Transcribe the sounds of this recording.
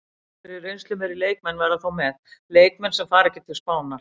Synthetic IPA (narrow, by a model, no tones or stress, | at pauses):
ɪɾɪrejnsʏmɛɾɪleːjk̚mɛnːvɛɾðaθawmɛðleːjk̚mɛnsɛmfaːɾɛcɪ̥t̪ʰɪlspaːwna